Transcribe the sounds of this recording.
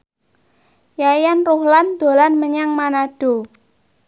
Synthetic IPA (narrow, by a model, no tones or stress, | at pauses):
jajanruhland̪̥o̤lanməɲaŋmanaɖ̥o̤